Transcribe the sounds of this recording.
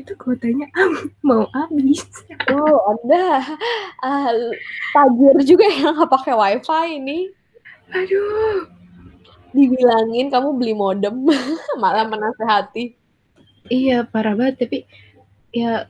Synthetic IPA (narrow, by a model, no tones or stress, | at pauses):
it̪ukot̪aɲaʔammauʔabɪswawanda | ə | t̪ad͡ʒərd͡ʒuɡaaŋapakewajfainɪh | ado | dibilaŋɪnkamubəlihmodəmmalamənaseɦat̪i | ijapaɾabaət̪ːapi | ja